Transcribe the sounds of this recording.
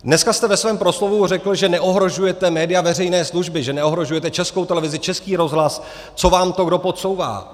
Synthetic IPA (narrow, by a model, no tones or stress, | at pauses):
dnɛskast̪ɛvɛsvɛːmpɾo̞slo̞vurɛkl̩ʒɛnɛʔo̞ɦɾo̞ʒujɛt̪ɛmɛːdɪjavɛrɛjnɛːsluʒbɪʒɛnɛo̞ɦɾo̞ʒujɛt̪ɛt͡ʃɛskowt̪ɛlɛvɪzɪt͡ʃɛskiːɾo̞zɦlas | t͡so̞vaːmt̪o̞ɡdo̞po̞t̪so̞wva̰ː